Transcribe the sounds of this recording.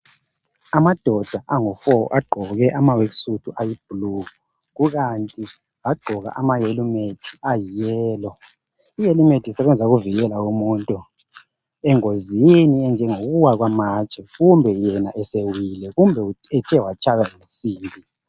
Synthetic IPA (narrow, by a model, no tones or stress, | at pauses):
amad̥ʱɔd̥ʱaʔaŋufɔ̰ʔaɡ͡ǃʱɔɣɛʔamaweksutʰuʔajib̥ʱlu | ɣuɣantʼi | aɡ͡ǃʱɔɣa̰ʔamajelumetʰi̥ajijɛːlɔ | ijelumetʰisɛβɛnd͡zʱaɣuviɣɛlaumuːntʼu | ɛŋoziniɛnd͡ʒʱɛŋoɣuwaɣwamat͡ʃʼɛɣumbʱɛjɛnaʔɛsewilɛɣumbʱɛuɛtʰɛwat͡ʃʼajaim̩siːmbʱi